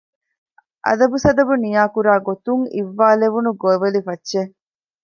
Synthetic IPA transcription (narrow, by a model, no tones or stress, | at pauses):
ʔɐ̰d̪ɐbusɐd̪ɐbunijaːkuɾaːɡot̪uŋḭʋːaːleʋunuɡoeʋɐlifɐtːʃe